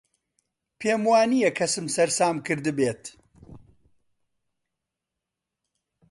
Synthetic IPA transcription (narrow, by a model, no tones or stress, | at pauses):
pʰeːmwaːnijɐkʰɐsɨmsɐɾsaːmkɨɾd̪ɨbeːt̪